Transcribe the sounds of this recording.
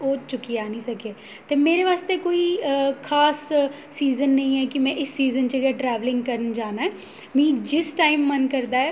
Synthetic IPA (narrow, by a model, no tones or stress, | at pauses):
oːt͡ʃʊkijaːnĩsɐkeː | t̪emeːɾeʋaːst̪ekoːixʰaːsː | iːzənːɐɦĩɦɛkimɛ̃ʔɪsːiːzənt͡ʃeɡɛʈɾɛːʋlɪ̃ŋɡkɐɾənd͡ʒaːnaɦɛː | mĩːd͡ʒɪsʈaːɪmːɐnkɐɾd̪aɦɛ